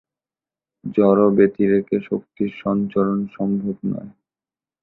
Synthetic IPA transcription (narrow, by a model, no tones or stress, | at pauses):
d͡ʑɔɾobet̪iɾekeʃok̚t̪iɾʃɔnt͡ɕolonʃɔmbʱobnɔ̰e